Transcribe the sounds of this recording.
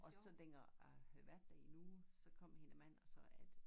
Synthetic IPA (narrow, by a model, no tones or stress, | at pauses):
ʔɒ̽sɒ̽leŋ̰ɐæhæðˠʋæɐ̰d̥ːæɐinusɒ̽kʰɒ̽m̰he̝nəmæn̰ɒsɒ̽æd̥